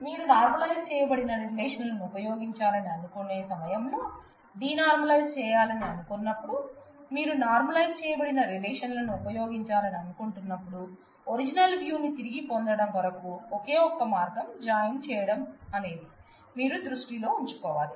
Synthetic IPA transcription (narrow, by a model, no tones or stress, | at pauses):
miːɾunaːɾmɐlɐjzt͡ʃɛːjɐbɐɽinɐɾileːʂɐnlɐnuupɐjo̞ːɡiɲt͡ʃaːlɐniɐnukone̞ːsɐmɐjɐmloː | ɖiːnaːɾmɐlɐjzt͡ʃɛːjaːlɐniɐnukunːɐpːuɽumiːɾunaːɾmɐlɐjzt͡ʃɛːjɐbɐɽinɐɾileːʂɐnlɐnuupɐjo̞ːɡiɲt͡ʃaːlɐniɐnukuɳʈunːɐpːuɽu | oɾid͡ʒinɐlʋjuːnit̪iɾiɡipond̪ɐɽɐmʋ̪ɐɾɐkuoke̞ːɔkːɐmaːɾɡɐmd͡ʒaːjɐnt͡ʃɛːjɐɽɐmɐneːd̪i | miːɾud̪ɾuʂʈilo̞ːuɲt͡ʃu̥kɔːʋaːli